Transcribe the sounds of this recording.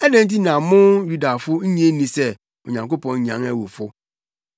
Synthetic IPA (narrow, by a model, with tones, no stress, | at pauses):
ɛ˦dɛ̃˦n̩˦t̬i˦nã˨mʊ̃˦ju˦da˨fʊ˦ɲ̩˦ɲĩ˦e˦nĩ˨sɛ˦ | ʊ˨ɲã˨ŋko˦pʰɔ̃˨n˦ɲã̰˨˦ŋæ˦wo˨fʊ˦